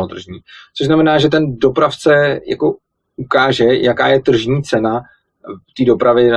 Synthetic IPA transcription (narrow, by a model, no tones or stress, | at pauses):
ot̪r̩ʒɲiːt͡so̞ʃʒznamɛnaːʒɛt̪̬ɛndo̞pɾaft͡sɛja̰ko̞ | ukaːʒɛjaka̰ːjɛt̪r̩ʒɲiːt͡sɛna | t̪iːdo̞pɾavɪ